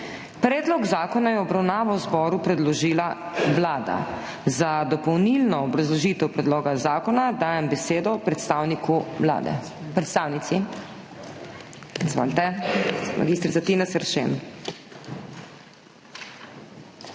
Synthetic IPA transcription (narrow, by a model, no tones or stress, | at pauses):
pɾɛːd̪lɔɡzaːkɔnajɛɔbɾawnaːʋawzbɔːɾupɾɛd̪lɔʒiːla | ʋlaːd̪a̰ | zad̪ɔpɔwnilnɔːbɾazlɔʒiːt̪ɛwpɾɛd̪loːɡazaːkɔnad̪aːjɛmbɛseːd̪ɔpɾɛt̪st̪aːwnikʰula̰ːd̪ɛ̰ | pɾɛt̪st̪aːwnit̪si | izʋa̰ːlt̪ɛma̰ɡiːst̪ɾit̪at̪inasɛɾʃḛn